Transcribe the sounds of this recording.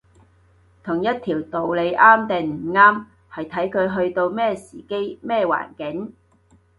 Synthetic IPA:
t̪ʰʊ˨˩ŋjɐ˥t̚t̪ʰiː˨˩wt̪o˨wle˨˧jʔaː˥mt̪e˨˩ŋm̩˨˩ŋaː˥m | hɐ˨jt̪ʰɐ˨˥jkʰɵ˨˧ɥɦɵ˧ɥt̪o˧wmɛː˥˧sḭː˨˩ke˥jmɛː˥wa̰ː˨˩nkɪ˨˥ŋ

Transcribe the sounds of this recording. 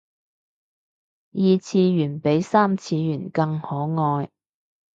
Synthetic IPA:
jiː˨˧t͡sʰiː˧jyː˨˩npe˨˥jsaː˥mt͡sʰiː˧jyː˨˩nkɐ˧ŋhɔː˨˥ŋɔː˧j

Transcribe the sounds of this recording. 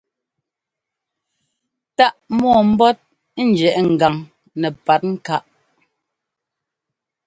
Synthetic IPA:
ta˦ʔmɔ˦˨m̩˦bɔ˦t̚ | n̩˦d͡ʒɛ˨ʔŋ̩˨ɡa˨ŋ | nɛ˨pa˨˦t̚ŋ̩˦ka˦ʔ

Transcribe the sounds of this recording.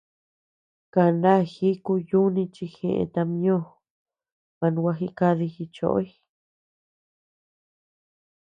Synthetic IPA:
ka˧˨nã˦xi˦ku˧ju˦nĩ˧t͡ʃi˧xḛ̃˧˨ʔḛ̃˧t̪a˧mĩ˦õ˦˨ | mã˧nũ˧kʷa˧xi˧˦ka˦˧ði˧xi˧t͡ʃo̰˨ʔo̰˦i˦

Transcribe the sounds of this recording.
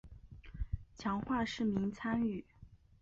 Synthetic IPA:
t͡ɕʰjɑ˧˥ŋxwa˥˧ʂɻ̩˥˩mi˧˥ŋt͡sʰa˥ny˥˩

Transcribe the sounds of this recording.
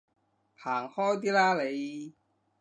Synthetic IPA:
pʰaː˨˩ŋhɔː˥jt̪̬iː˥laː˥le˨˧j

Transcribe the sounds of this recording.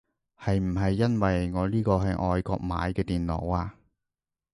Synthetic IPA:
hɐ˨jm̩˨˩ɦɐ˨jːɐ˥nwɐ˨jŋɔː˨˧liː˥kɔː˧ɦɐ˨jʔɔː˨˧jkɔ̰ː˧k̚ma̰ː˨˧jkɛː˧t̪iː˨nlɔ̰˨˩waː˧

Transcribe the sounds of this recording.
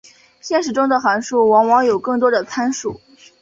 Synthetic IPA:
ɕjɛ˥˧nʂ̬ɻ̩˨˩ʈ͡ʂʊ˥ŋd̪ə˨xa˧˥nʂu˥˩wɑ˧˥ŋwɑ˧˥ŋjo˨˩ʊkɤ˥˩ŋt̪wɔ˥d̪ə˨t͡sʰa˥nʂṵ˨˩˦

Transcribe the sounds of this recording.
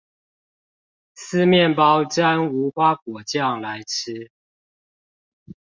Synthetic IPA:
s̩˥˧mjɛ˥˨npɑ˦ʊt͡ɕa˦ŋu˨˧˥xwa˦kwɔ˨˩t͡ɕjɑ˥˨ŋla˨˦ɪʈ͡ʂ̩ʰ˦

